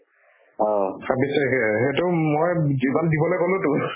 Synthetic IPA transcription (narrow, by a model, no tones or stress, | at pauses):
ɔ̃sabisɛkɛɦetʊmojzimandibɔlojkolʊ̃tʊ